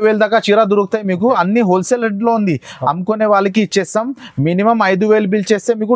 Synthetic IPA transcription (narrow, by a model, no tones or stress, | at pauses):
ʋeːld̪aːkːaːt͡ʃiːɾaːd̪uɾukut̪aːjimiːk̬uɐnːiɦoːlseleɳʈloːund̪iɐ̰mukoneːʋaːɭːɐk̬iːt͡ʃːesaːmːinimɐmɐjd̪uʋeːlubilt͡ʃe̞ːst̪e̞ːmiːku